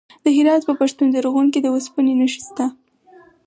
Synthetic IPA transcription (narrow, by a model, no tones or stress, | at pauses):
d̪əɦɪɾɑt̪pəpaʃt̪und̪əɾoɣunk̬ed̪əwaspənenəʃi̥st̪a